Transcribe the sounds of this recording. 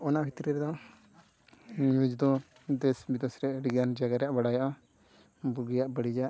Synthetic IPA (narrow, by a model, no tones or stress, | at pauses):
ɔnaʔbʱit̪ɾiɾɛd̪ɔ | jud͡ʒd̪ɔ | d̪ɛsbid̪ɔsɾɛʔɖiɡand͡ʒaɡaɾɛjaʔbaɽajɔʔɔ | buɡijaʔbəɽid͡ʒaʔ